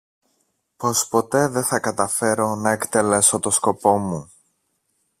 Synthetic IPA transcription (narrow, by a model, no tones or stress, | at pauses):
po̞spo̞t̪e̞ðe̞θɐkɐt̪ɐfe̞ɾo̞nɐekt̪e̞le̞so̞t̪o̞sko̞po̞mu